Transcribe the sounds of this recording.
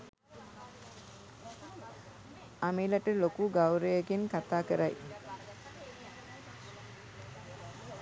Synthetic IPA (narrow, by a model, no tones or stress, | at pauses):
amelaʈəlokuɡawɾəjəɡenkat̪aːkəɾaj